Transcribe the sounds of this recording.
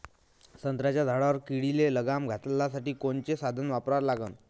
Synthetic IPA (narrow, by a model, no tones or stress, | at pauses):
sənt̪ɾat͡ɕjad̪ʱaɭaʋəɾkiɽileləɡamɡʱat̪lasaʈiːkoɳt͡ɕesad̪ʱənʋapɾaɾlaɡən